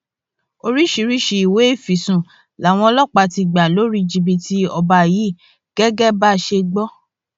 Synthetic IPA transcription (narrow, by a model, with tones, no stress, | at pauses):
o˧ɾi˦ʃi˧ɾi˦ʃi˧i˨we˨˦˨fi˨sũ˨ | la˨w̃ɔ̃˧ɔ˧lɔ˦˨k͡pa˧ti˧ɡ͡ba˨lo˦ɾi˦d͡ʒi˧bi˧tʰi˧˦ɔ˧ba˧˨ji˨˦˨ | ɡ̥ɛ˦ɡɛ˦ba˦˨ʃe˧ɡ͡bɔ˦